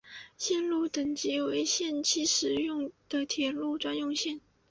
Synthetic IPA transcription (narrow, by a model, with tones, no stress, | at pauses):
ɕjɛ˥˧nlu˥˩t̪ə˨˩ŋt͡ɕi˧˥we˧˥ɪɕjɛ˥˧nt͡ɕʰi˥˩ʂɻ̩˧˥jʊ˥˩ŋd̪̥ə˨t̪ʰjɛ˨˩lu˥˩ʈ͡ʂwa˥njʊ˥˧ŋɕjɛ˥˩n